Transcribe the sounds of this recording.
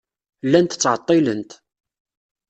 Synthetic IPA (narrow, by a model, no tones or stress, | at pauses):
lːænt̪t͡sːʕət̪ˤːɪlənt̪